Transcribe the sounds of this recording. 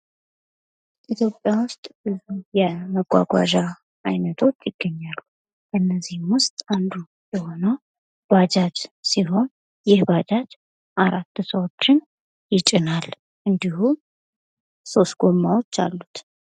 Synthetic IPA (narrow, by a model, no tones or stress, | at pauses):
it̪ʰjo̞pʼːjawʊst̪ʼbɨzujɛməɡʷa̰ɡʷa̰ʒa | ʔajnət̪ʰo̞t͡ʃːjɪɡ̥ːəɲːalːu | ɨnːəzihmwʊst̪ʼand̪u | jɛho̞nəw | b̥ad͡ʒat͡ʃ̪siɦo̞n | jɪhbad͡ʒat̪ | ʔaɾat̪ːsəwo̞t͡ʃːɪn | jɪt͡ʃʼɪnal | ʔɨnd̪ihu | so̞st̪ɡ̥o̞mːawo̞t͡ʃːa̰lːut̪